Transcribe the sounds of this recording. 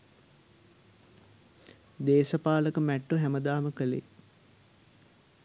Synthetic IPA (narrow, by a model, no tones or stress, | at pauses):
d̪eːsəpaːləkəmæʈːoɦæməd̪aːməkəlḛ